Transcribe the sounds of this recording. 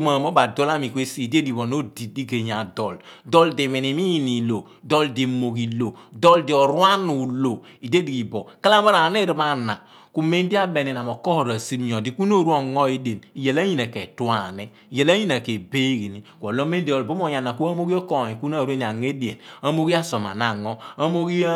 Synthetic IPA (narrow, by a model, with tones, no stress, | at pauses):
ma˨mo˦ba˨dɔ˦la˦mi˨kʷe˦si˦i˨de˦di˨bɔ˨no˦di˨di˦ɡe˨ɲ˨a˨dɔ˨ldɔ˦ldi˨mi˨ni˨mi˦ji˦˨ni˨lo˨ | dɔ˦ldi˨mo˨ɡi˨lo˨dɔ˦ldi˨ɔ˨ɾwa˦nu˨lo˨ | i˨de˦di˨i˨bɔ˨ka˦la˦ma˦ɾa˨ne˦˨ɾi˦ma˦na̰˨ | ku˦me˦n˦di˦a˦be˨ne˨n˨a˨mɔ˨kɔ˦hɔ˨ɾa˨si˦ɾɲɔ˨di˨ku˦n˦o˦˨ɾu˦a˨ŋɔ˦i˦de˨ni˨je˨la˦ɲi˦na˨ke˨tu˦a˨nɛ˦ | i˨je˨la˦ɲi˦na˨ke˨be˦ɡi˨ni˨kʷɔ˨lo˦me˦n˦di˨ɔ˨lbo˦m˦ɔ˨ja˨na˨ku˦a˦mo˦ɡi˦ɔ˦kɔ˦˨i˨ku˦n˦a˦˨ɾu˦e˦ni˨a˨ŋe˦di˨ḛ˨na˦mo˦ɡi˦a˦sɔ˨ma̰˨na˨ŋɔ˦a˦mo˦ɡi˦